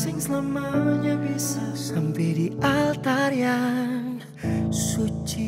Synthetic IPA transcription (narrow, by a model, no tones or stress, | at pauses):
sɪŋslamaɲabisasampɛdiʔalt̪aɾian | sut͡ʃi